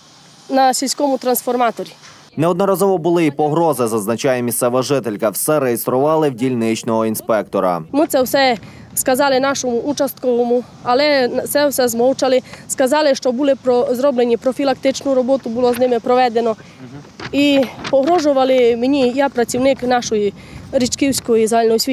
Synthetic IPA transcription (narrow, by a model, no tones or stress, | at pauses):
nɐsʲilʲsʲkɔmʊt̪ɾɐnsfɔrmɑt̪ɔɾʲi | nɛɔd̪nɔɾɐzɔʋɔbʊlˠɪipɔɦɾɔzɪzɐznɐt͡ʃajɛmʲist̪sɛʋɐʒɪt̪elʲkɐwsɛɾejest̪ɾʊʋɑlˠɪwdʲilʲnɪt͡ʃnɔɦɔinspɛk̚t̪ɔɾɐ̰mɪt̪sɛwsɛ | skɐzɑlˠɪnɑʃɔmʊʔut͡ʃɐst̪̚kɔʋɔmʊ | ɐlˠɛsɛwsɛzmɔwt͡ʃɐlˠɪskɐzɑlˠɪʃt͡ʃɔbulˠɪpɾɔzɾɔblenʲipɾɔfʲilˠɐkt̪ɪt͡ʃnʊɾɔbɔt̪ʊbʊlˠɔznɪmɪpɾɔʋɛd̪enɔ | ipɔɦɾɔʒʊʋɐlˠɪmenʲijapɾɐt͡sʲiwnɪknɑʃɔji | ɾit͡ʃkiwsʲkɔjizalʲnɔjsʲʋʲi